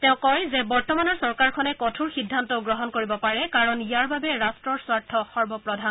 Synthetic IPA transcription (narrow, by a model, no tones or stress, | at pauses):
tɛʊ̃kɔjzɛbɔɹtɔmanɔɹsɔɹkaɹkʰɔnɛkɔtʰuɹxidʱːantɔɡɹɔɦɔnkoɹibɔpaɹɛkaɹɔnijaɹbabɛɹastɹɔɹswaɹtʰːɔxɔɹbɔpɹɔdʱan